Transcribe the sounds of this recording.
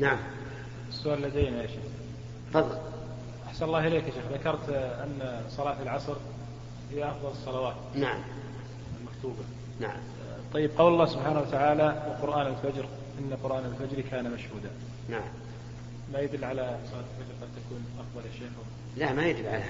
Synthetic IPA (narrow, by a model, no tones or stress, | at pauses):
naʕam | ɪsːʊʔaːlɪlːad̪ejnaaʃe | fɑðˤːɑl | ʔaħsanlˤːɑːhɪleːkʔaʃeːxðakɑɾˤt̪ʔɪ̰nːsˤɑlɑːħɪlʕɑsˤɾ | hɪjːaʔɑfðˤɑlɨsˤːɑlɑwaːt̪naʕm | ɪlmakt̪uːba | na̰ʕ̰m | t̪ˤɑjːɪb̚qɑwlɑlˤːɑːhsʊbħaːnawat̪aʕaːlawɪlqʊɾʔaːnɪlfad͡ʒɾ | ʔɪnːaqʊɾʔaːnɪlfad͡ʒɾikʰaːnamaʃhuːd̪a | naʕam | majad̪ʊlːʕalamsˤɑːlɪlfad͡ʒɾqɑd̪̚t̪akuːnʔɑfðˤɑlʔaʃaːxw | lamajad̪ɪlʕa̰l